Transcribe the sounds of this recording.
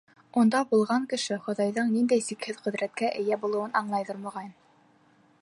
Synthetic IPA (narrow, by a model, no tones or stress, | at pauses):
und̪ɑbulˠʁɑŋkɘ̆ʃɘχŏðɑjðɤɴnind̪æjsikhɘðqɵ̆ðɾæt̪̚kæʔɘ̆jæbulˠɤ̆wɤnʔɑɴlˠɑjðɤɾmŏʁɑjn